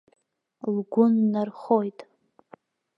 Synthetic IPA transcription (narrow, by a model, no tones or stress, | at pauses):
lɡʷʊnːarχojtʼ